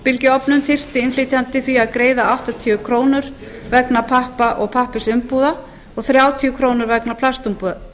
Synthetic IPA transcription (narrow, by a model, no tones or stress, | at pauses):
pɪlcɪɔpnʏnθɪr̥t̪ɪɪnflit̪ʰant̪ɪθviaðkɾeːjðaawht̪at̪ʰiːʏkʰɾoːwnʏɾ | vɛknapʰahpaʔɔɣpʰahpɪsʏmpuða | ɔɣθɾjaːwt̪ʰiːʏkʰɾoːwnʏɾvɛknapʰlast̪umpuːða